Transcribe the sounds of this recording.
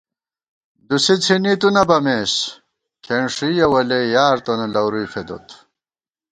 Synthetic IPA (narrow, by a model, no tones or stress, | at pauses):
d̪usit͡sʰinit̪unɐbɐmeːs | kʰeɳʂijɐwɐlejaːɾt̪onelɐwɾujfed̪o̰t̪